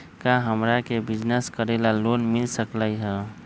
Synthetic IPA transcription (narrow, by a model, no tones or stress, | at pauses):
kaɦəmɾakebɪd͡ʒnəskəɾelaloːnmɪlsəklaiɦɛː